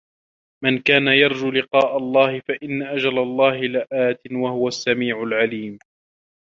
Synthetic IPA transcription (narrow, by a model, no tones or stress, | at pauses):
mankaːnajɑɾˤd͡ʒulɪqɑːʔalˤːɑːhɪfaʔɪnːaʔad͡ʒalalˤːɑːhɪlɪʔaːt̪ɪnwahʊwasːamiːʕʊlʕaliːm